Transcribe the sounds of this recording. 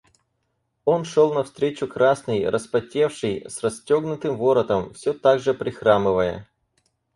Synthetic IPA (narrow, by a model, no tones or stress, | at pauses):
o̞nʂo̞lˠnɐfst̪ɾʲet͡ɕʊkɾasnɨjrəspɐtʲe̞fʂɨjsrɐsʲtʲo̞ɡnʊt̪ɨmvo̞ɾət̪əmfsʲɵt̪aɡʐɨpɾʲɪxɾamɨvəjə̰